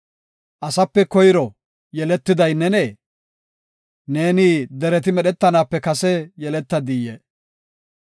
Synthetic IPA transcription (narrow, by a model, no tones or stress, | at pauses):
ʔɐsɐpːɛkɔjɪɾɔ | jɛlɛt̪ːɪd̪ɐjnːɛneː | ne̞ːnɪd̪ɛɾɛt̪̬ɪmɛɗɛt̪ːɐnaːpːɛkɐsɛjɛlɛt̪ːɐd̪ijɛ